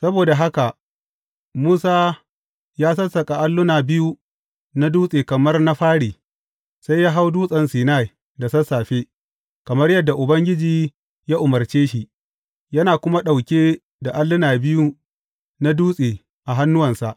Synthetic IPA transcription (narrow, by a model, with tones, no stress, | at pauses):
sɐ˦boː˨da˨ɦa˦ka˨ʔ | muː˦saː˦ | jaː˦sɐ˦sɐ˨kʼa˨ʔa˦lːʊ˦naː˨bɪ˦ju˦ | na˦duː˦sʼeː˨kɐ˨mɐ˦rna˦ɸaː˦ɽiː˨ | sa˦jːaː˦ɦa˦wduː˦sʼɐ˨nsiː˨na˦˨j | da˨sɐ˦saː˨ɸeː˦ | kɐ˨mɐ˦rjɐ˦dːa˨ʔʊ˨bɐ˦ŋɡʲɪ˦d͡ʒiː˨ | jaː˦ʔʊ˨mɐ˨rt͡ʃeː˦ʃi˨ | jɐ˦naː˨kʷʊ˦ma˦ɗa˨wkʲeː˦ | da˨ʔa˦lːʊ˦naː˨bɪ˦ju˦ | na˦duː˦sʼeː˨ | ʔa˨ɦa˦nːʊ˦wɐ˨nsa˨ʔ